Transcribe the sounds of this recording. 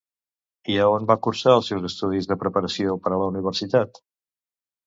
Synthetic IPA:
iəonbakuɾsaəlˠsewzəst̪uð̞izðəpɾəpəɾəsiopəɾələuniβ̞əɾsit̪at̪

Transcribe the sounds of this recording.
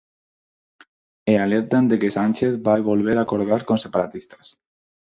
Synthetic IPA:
ealeɾt̪and̪ekesanʲt͡ʃeθβajβolβ̞eɾakoɾðaɾkonsepaɾat̪ist̪ḁs

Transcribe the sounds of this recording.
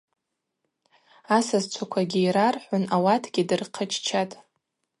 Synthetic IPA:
asazt͡ʃʷʰakʷʰaɡʲiiɾarħʷʊnawatʰɡʲidɨrqʰət͡ʃʰt͡ʃʰatʼ

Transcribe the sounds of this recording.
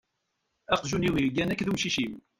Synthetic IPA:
æqʒuniwiɾɡænækːðumʃiʃim

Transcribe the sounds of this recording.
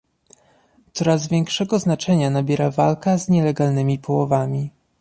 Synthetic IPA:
t̪sɔɾazvʲjɛŋkʂɛɡɔznat͡ʂɛɲanabʲjɛɾavalkazɲɛlɛɡalnɘmʲipʰɔwɔvamʲi

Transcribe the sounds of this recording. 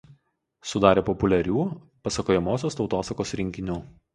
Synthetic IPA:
sʊd̪ɑːɾʲeːpɔpʊlʲɛɾʲuː | pɐsɐkoːjɛmoːsʲoːst̪ɒʊt̪oːsɐkoːsɾʲɪŋʲkʲɪnʲuː

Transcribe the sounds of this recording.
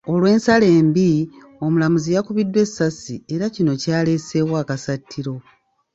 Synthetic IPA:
o̞lwe̞ːnsale̞ːmbi | o̞mulamuzijakuβidːwe̞sːasie̞ɾacino̞caːle̞se̞waːkasatʰːiɾo̞

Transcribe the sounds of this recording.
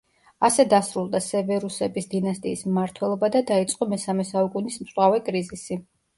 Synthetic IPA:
asɛd̪asɾulˠd̪asɛvɛɾusɛbisd̪inast̪ʼiːsmmaɾt̪ʰwɛlˠɔbad̪ad̪ait̪sʼqʼɔmɛsamɛsaukʼunismsʼwavɛkʼɾizisi

